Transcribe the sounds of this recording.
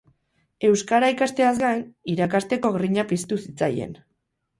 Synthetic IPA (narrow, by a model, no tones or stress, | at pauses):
e̞wskaɾaikast̪e̞azɡajniɾakast̪e̞ko̞ɣriɲapist̪usit͡sa̰je̞̰n